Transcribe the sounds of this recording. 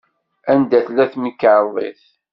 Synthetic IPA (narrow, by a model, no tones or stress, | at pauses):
ænd̪æθlæθnəkːəʕðˤḛθ